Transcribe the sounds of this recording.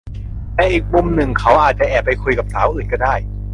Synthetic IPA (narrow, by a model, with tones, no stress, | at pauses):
tɛː˧˩ʔiː˨˩k̚mu˧mnɯ˨˩ŋkʰa˦˥wʔaː˨˩t̪̚t͡ɕa˨˩ʔɛː˨˩pːa˧jkʰu˧jka˨˩psʰaː˩˦wʔɯː˨˩nkɔː˥˩daː˥˩j